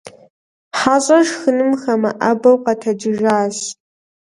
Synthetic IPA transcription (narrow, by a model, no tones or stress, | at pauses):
ħaːɕʼɐʂxɨnɨmxɐmɐʔɐbɐwqɐtʰɐd͡ʒɪʒaːɕ